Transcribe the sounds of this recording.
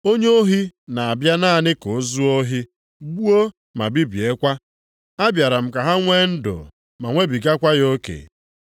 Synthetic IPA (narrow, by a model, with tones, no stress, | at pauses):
o˦ɲe˦o˦ɦi˦na˨a˨bja˦na˦˨nɪ˦ko˨˦zu˦o˦ɦi˦ | ɡ͡bu˦o˦ | ma̰˨bi˦bi˨e˦kʷa˦ | a˦bja˨ɾa˨m̩˨ka˨ɦa˦ŋʷe˦n̩˦dʊ̰˨ | ma˨ŋʷe˦bi˨ɡa˦kʷa˦jo˦kḛ˨